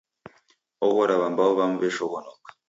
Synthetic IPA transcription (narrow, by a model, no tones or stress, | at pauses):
oɣoɾaβambaoβamuβeʃoɣonokḁ